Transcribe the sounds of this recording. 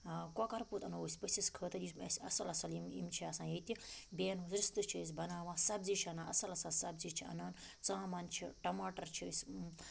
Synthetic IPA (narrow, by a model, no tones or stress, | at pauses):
kokɐɾput̪ɐnousʲpəsiskʰəːt̪ɐlismɐ̰sʲɐ̰sɐlɐsɐlimḭmt͡ʃʰiɐsãːjet̪ibʲeːnɦuzɾist̪ɨt͡ʃʰiis̬ʲbɐnaːʋãsɐbziːt͡ʃʰiɐnãːʔɐ̰sɐlɐsɐlsɐbzit͡ʃʰiɐ̰naːn | t͡sãːmɐnt͡ʃʰiʈɐmaːʈɐɾt͡ʃʰisʲ